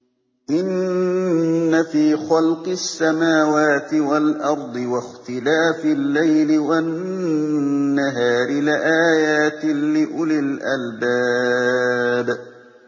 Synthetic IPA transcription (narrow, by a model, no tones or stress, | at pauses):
ʔɪn | afiːxɑlqɨsːamaːwaːt̪ɪwalʔɑɾˤd̪ˤɨwaxt̪ɪlaːfɪlːajlɪwan | aɦaːɾɪlɪʔaːjaːt̪ɪːɪʔʊlɪlʔalbaː | b